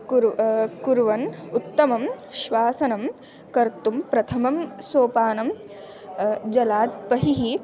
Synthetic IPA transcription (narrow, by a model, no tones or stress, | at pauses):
kuɾkuɾʋɐnut̪ːɐmɐmʃʋaːsɐnɐm | kɐɾt̪umpɾɐt̪ʰɐmɐmsoːpaːnɐm | d͡ʒɐlaːt̪̚pɐɦiɦi